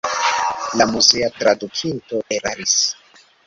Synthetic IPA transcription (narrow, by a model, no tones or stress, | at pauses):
lamuzeatɾadukinto̞ʔeɾaɾis